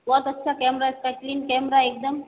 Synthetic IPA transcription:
bɔt̪ətːʃʰakɛmɾasʈaʈlinkɛmɾaeːk̚d̪əm

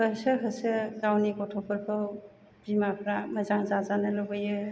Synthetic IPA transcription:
hɯsɯɦɯsɯɡawnikɔtʰɔpʰɯɾpʰɯw | bimapʰɾamɐzaŋzazanɯlɔbɯjɯ

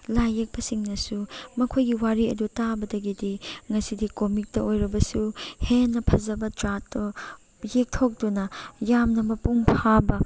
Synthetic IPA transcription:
lajek̚pɐsiŋnɐsumɐkʰojɡiwaɾiɐ̰dutabɐdɐɡidiŋɐsidikomik̚tɐojɾɐbɐsuhenːɐpʰɐzɐbɐtɾatːo | jek̚tʰok̚dunɐjamnɐmɐpuŋpʰabɐ

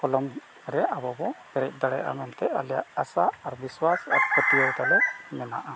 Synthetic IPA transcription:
kʰɔlɔm | ɾɛabɔbɔkɛɾɛc̚ˀd̪aɽɛ̰jʔa̰mɛnt̪ɛalja̰ʔasaːɾbiswasa̰ɾkət̪ijɔwt̪alɛmɛna̰ʔa

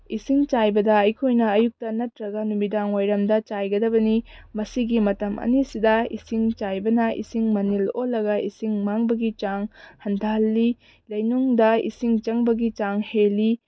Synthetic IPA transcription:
isiŋt͡ʃajbɐdɐɐjkʰojnɐːjuk̚tɐnɐtɾɐɡɐnumidaŋwajɾɐmdɐt͡ʃajɡɐdɐbɐnimɐsiɡimɐtɐmʔɐ̰nisidɐḭsiŋt͡ʃajbɐnɐḭsiŋmɐnilolːɐɡɐisiŋmaŋbɐɡit͡ʃaŋhɐndʱalːi | lɐjnuŋdɐḭsiŋt͡ʃɐŋbɐɡit͡ʃaŋheli

